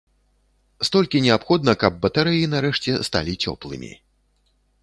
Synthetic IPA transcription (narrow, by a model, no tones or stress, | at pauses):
st̪ɔlʲkʲinʲɛapxɔd̪nɐkɐb̚ːɐt̪aɾɨjinaɾɛʂt͡sʲɛst̪a̰lʲit͡sʲɔ̰plˠɨmʲḭ